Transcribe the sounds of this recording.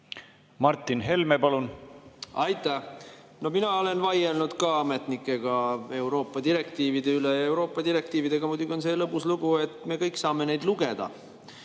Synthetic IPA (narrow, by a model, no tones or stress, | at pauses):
mɑrt̪ːˑinɦe̞lmepɑlun | ɑjt̪ˑːæh | no̞minɑole̞nvɑjelnud̪̥kɑɑme̞t̪nikːˑe̞ɡ̥ɑe̞wɾo̞ːpːˑɑd̪iɾe̞k̚t̪iːvid̪e̞ylejɑe̞wɾo̞ːpːˑɑd̪iɾe̞k̚t̪iːvid̪̥e̞ɡɑmud̪uɡʲio̞nse̞ːlɤpːˑusluɡ̥ue̞t̪ːme̞kɤjkːsɑːme̞nejd̪luɡe̞d̪̥ɑ̰